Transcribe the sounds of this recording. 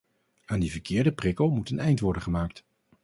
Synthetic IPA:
aːndivəɹkʰɪːɹdəprɪkowmutənɛjntʋɔɹdənχəmaːkt

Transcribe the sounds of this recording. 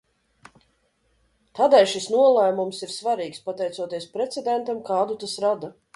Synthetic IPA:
t̪aːd̪ɛjʃisnuɔlˠæːmumsiɾsvaɾiːkspat̪ɛjt̪uɔt̪iɛspɾɛt̪sʲɛd̪ʲɛnt̪amkaːd̪ut̪asɾad̪a

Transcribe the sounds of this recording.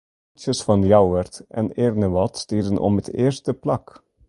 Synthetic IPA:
t͡ʃəsfɑnjawʋərtʔɛ̰neːrnəʋɑtstiːrdənʔɔ̰mɦətḛːrstəplɑk

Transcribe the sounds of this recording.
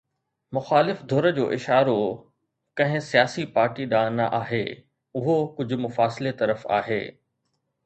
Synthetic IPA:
mʊxaːlɪfd̪ʱoːɾə̆d͡ʑoːʔɪʃaːɾo | kɐ̃ɦɪ̃sijaːsipaːɾʈiɗãːnaʔaːɦeː | ʊɦokʊd͡ʑʱʊ̆mʊfaːsɪlet̪ɐɾəfa̰ːɦḛː

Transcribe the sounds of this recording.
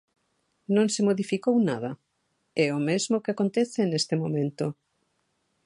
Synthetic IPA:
nõŋsɪmoðifikownaðɐ | ɛomezmokeakont̪eθɪnest̪emomẽnt̪o

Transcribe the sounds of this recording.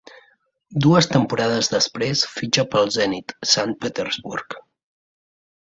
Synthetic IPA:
d̪uəst̪əmpuɾaðəzðəspɾesfid͡ʒəpəlˠzɛnit̪san̚pət̪ərzβurk

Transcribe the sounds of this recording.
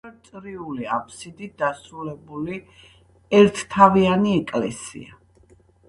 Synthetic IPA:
t̪sʼɾiuliapʰsid̪id̪̥asɾulɛbuli | ɛɾt̪ʰt̪ʰavianiɛkʼlɛ̰sḭa

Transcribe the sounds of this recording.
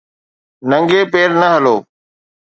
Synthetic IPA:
nə̃ŋɡeːpeːɾnəɦəloː

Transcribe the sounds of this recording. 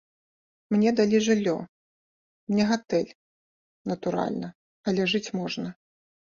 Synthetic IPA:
mnʲɛd̪alʲiʐɨlʲːɔ | mnʲɛɣat̪ɛlʲ | nɐt̪uɾa̰lʲnɐ | ɐlʲɛʐɨt͡sʲmɔʐnɐ

